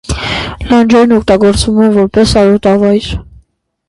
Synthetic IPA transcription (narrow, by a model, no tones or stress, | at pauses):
lɑnd͡ʒɛɾnɔk̚t̪ɑɡɔɾt͡svumɛnvɔɾpɛsɑɾɔt̪ɑvɑjɾ